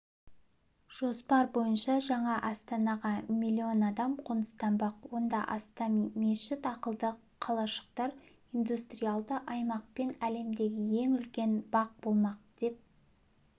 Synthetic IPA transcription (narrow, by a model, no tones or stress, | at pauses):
ʒ̥o̞spɑɾbo̞jənʃɑʒɑɴɑʔɑst̪ɑnɑʁɑmilʲːio̞nɑd̪ɑmqʰonə̥st̪ɑmbɑqwo̞nd̪ɑ̰ʔɑst̪ɑmmeʃɪt̪ɑqəlˠd̪əqʰːɑlˠɑʃə̥qt̪ɑɾ | ind̪ust̪rijɑlˠd̪əʔɑjmɑq̚pe̞næle̞md̪e̞ɡʲɪje̞ŋʏlkʲe̞nbɑq̚bo̞lˠmɑq̚d̪̥e̞p̚